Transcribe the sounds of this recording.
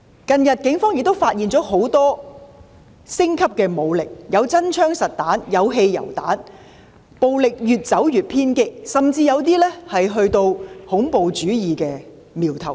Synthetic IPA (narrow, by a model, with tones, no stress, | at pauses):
kɐ˨˧njɐ˨t̚kɪ˨˥ŋfɔː˥ŋjk̚t̪o˥wfaː˧t̚jiː˨nt͡sɔː˨˥ɦo˨˥wt̪ɔː˥ | sɪ˥ŋkʰɐ˥p̚kɛː˧mo˨˧wlɪ˨k̚jɐ˨˧wt͡sɐ˥nt͡ʃʰœː˥ŋsɐ˨t̚t̪aː˨˥njɐ˨˧wɦe˧jjɐ̰˨˩wt̪a̰ː˨˥n | po˨wlɪ˨k̚jyː˨t̚t͡sɐ˨˥wjyː˨˩t̚pʰiː˥nkɪ˥k̚sɐ˨mt͡siː˧jɐ˨˧wt̪iː˥lɛ˥hɐ˨jɦɵ˧ɥt̪o˧whʊ˨˥ŋpo˧wt͡ʃyː˨˥jiː˨kɛː˧ | miː˨wt̪ʰɐ˨˩w